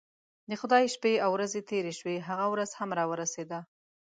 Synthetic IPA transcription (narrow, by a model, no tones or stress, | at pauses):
d̪əxʊd̪ɑjʃpeawɾazet̪eɾeʃweɦaɣawɾaz̥hamɾɑwəɾased̪a